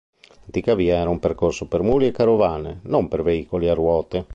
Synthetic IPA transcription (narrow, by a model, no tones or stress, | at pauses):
d̪ikaviːaɛːɾaumperkorsopermuːliekaɾovaːnḛnompeɾveiːkoliarwɔːt̪e